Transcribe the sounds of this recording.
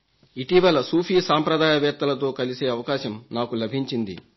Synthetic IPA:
iʈiʋɐlɐsuːpʰiːsaːmpɾɐd̪aːjɐʋɛːt̪ːɐlɐt̪̬o̞ːkɐlise̞ːɐʋɐkaːʃɐmnaːkulɐbʱiɲt͡ʃind̪ḭ

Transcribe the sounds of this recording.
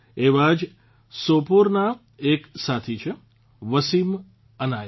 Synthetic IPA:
eʋad͡ʒ | sopoɾna | eksat̪ʰit͡ʃʰe | ʋəsim | əna

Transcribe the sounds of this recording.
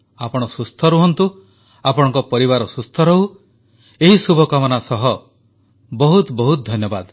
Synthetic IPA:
apɔɽ̃ɔsust̪ʰɔɾuɦɔnt̪u | apɔɽ̃ɔŋkɔpɔɾiβaɾɔsust̪ʰɔɾɔɦu | eɦisubʱɔkamɔnasɔɦɔ | bɔɦut̪bɔɦut̪̚d̪ʱɔnjɔbad̪

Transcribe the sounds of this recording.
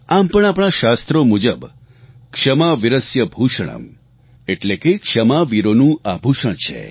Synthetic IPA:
ampəɳ̃apɳ̃aʃast̪ɾomud͡ʒəb | kʂəmaʋiɾəsjəbʱuʃəɽ̃ə̰m | eʈlekekʂəmaʋiɾonũabʱuʃəɳ̃t͡ʃʰḛ

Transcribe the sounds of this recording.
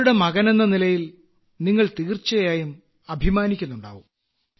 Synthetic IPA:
uɽe̞mɐɣɐne̞nːɐnilɐjil | niŋːɐɭt̪iːrt͡ɕːɐjaːjum | ɐbʱimaːnikʲːunːuɳɖa̰ːʋum

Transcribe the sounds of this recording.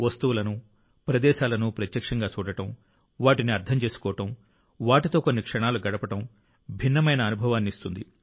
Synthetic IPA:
ʋɐst̪uwulɐnu | pɾɐd̪ɛːʃaːlɐnupɾɐt̪jɐkʂɐŋɡaːt͡ʃuːɽɐʈɐm | ʋaːʈiniɐɾt̪ʰɐmt͡ʃe̞ːsu̥kɔːʋɐʈɐm | ʋaːʈit̪o̞ːkonːikʂɐɳaːluɡɐɽɐpɐʈɐm | bʱinːɐmɐjnɐːnubʱɐʋaːnːiist̪und̪i

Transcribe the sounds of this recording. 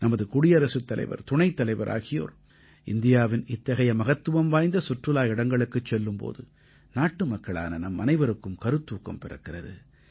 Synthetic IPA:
nɐmɐðɯkʊɽɪjɐɾɐsɯt̪ːɐlɐ̰ɪʋɐ̰ɾt̪ʊɳɐɪt̪ːɐlɐɪʋɐɾʔa̰ːɣɪjo̰ːɾ | ʔɪnd̪ɪjaːʋɪnɪt̪ːɐɣɐjɐmɐɣɐt̪ːɯʋɐmʋaːjnd̪ɐsʊʈrɯlaːjɪɽɐŋɡɐɭɯkːɯt͡ʃːɛlːɯmpo̰ːðɯ | naːʈːɯmɐkːɐɭa̰ːnɐnɐmːɐnɐɪʋɐɾɯkːɯmkɐɾɯt̪ːuːkːɐmpɛɾɐ̰kːɪrɐðɯ̰

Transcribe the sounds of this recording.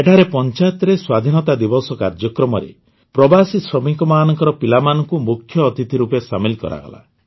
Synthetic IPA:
eʈʰaɾepɔnt͡ʃat̪ɾeswad̪ʱinɔt̪ad̪ibɔsɔkaɾd͡ʒɔkɾɔmɔɾḛ | pɾɔbasisɾɔmiŋkɔmaːnɔŋkɔɾɔpilamanɔŋkumukʰjɔːt̪it̪ʰiɾupesamilkɔ̰ɾa̰ɡɔ̰la̰

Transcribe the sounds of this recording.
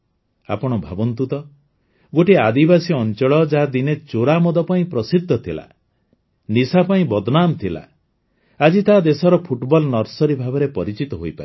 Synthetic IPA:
a̰pɔɽ̃ɔbʱabɔnt̪ut̪ɔ | ɡoʈiad̪ibasiɔnt͡ʃɔɭɔd͡ʒaɦad̪inet͡ʃoɾamɔd̪ɔpaĩpɾɔsid̪ʱːɔt̪ʰila̰ | nisapaĩbɔd̪ɔnamt̪ʰila̰ | ad͡ʒit̪aɦːd̪esɔɾɔpʰuʈbɔlnɔɾsɔɾibʱabɔɾepɔɾit͡ʃit̪ɔɦojpae

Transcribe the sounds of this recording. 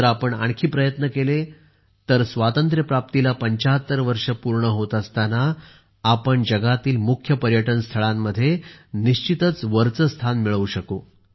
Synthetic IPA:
əɾapəɳa̰ɳkʰiːpɾəjət̪nəkele | t̪əɾsʋat̪ənt̪ɾjəpɾap̚t̪ilapəɲt͡ɕaɦət̪ːəɾʋəɾʂəpuɾɳəɦot̪əst̪anaː | pəɳd͡ʑəɡat̪iːlmukʰjəpəɾjəʈənst̪ʰəɭamːəd̪ʱːjeniɕt͡ɕit̪ət͡sʋəɾt͡səst̪ʰanmiɭəʋuɕəkoː

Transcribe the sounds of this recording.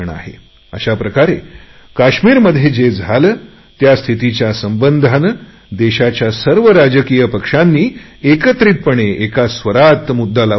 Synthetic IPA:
ɳa̰ɦḛ | ə̰ɕapɾəkaɾe | kaɕmiːɾməd̪ʱjed͡ʑed͡zʱalə | t̪jast̪ʰit̪it͡ɕjasəmbənd̪ʱanə | d̪eɕat͡ɕjasəɾʋəɾad͡ʑəkijəpəkʂanːiː | ekət̪ɾit̪̚pəɳeekasʋəɾat̪mud̪ːala

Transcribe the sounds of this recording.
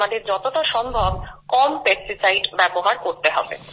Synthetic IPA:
ad̪eɾd͡ʑɔt̪oʈaʃɔmbʱɔb̚kɔmpesʈisajɖbɛboɦaɾkoɾt̪eɦɔ̰bḛ

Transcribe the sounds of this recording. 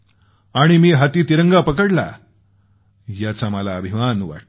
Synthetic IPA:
aɽ̃imiːɦat̪iːt̪iɾəŋɡapəkəɽla̰ | jat͡saməlaːbʱimanʋa̰ʈ

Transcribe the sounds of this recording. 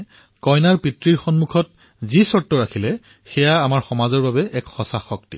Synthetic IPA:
kɔjnaɹpitɹiɹxɔnmukʰɔt̚ | zisɔɹtːɔɹakʰilɛ | xɛjaːmaɹxɔmazɔɹbabɛʔɛkxɔsaxɔk̚tḭ

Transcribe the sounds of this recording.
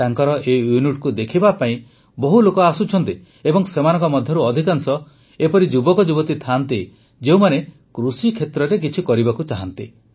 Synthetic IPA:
t̪aŋkɔɾɔʔejuniʈ̚kud̪ekʰibapaĩ | bɔɦulokɔasut͡ʃʰɔnt̪i | ebɔŋsemanɔ̃ŋkɔmɔd̪ʱjɔɾuɔd̪ʱikaŋsɔ | epɔɾid͡ʒubɔkɔd͡ʒubɔt̪it̪ʰant̪i | d͡ʒeũmane | kɾusikʰet̪ɾɔɾek̬it͡ʃʰikɔɾibakut͡ʃaɦant̪i

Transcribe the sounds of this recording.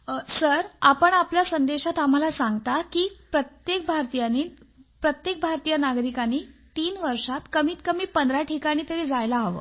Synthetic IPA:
səɾapəɳapljasənd̪eɕat̪am̤alasaŋɡt̪akiːpɾət̪jek̚bʱaɾt̪ijaniː | pɾət̪jek̚bʱaɾt̪ijənaɡɾikaniːt̪iːnʋəɾʂat̪kəmiːt̪kəmiːpənd̪ɾaʈʰikaɽ̃iːt̪əɽiːd͡zajlaɦʋə̰ː

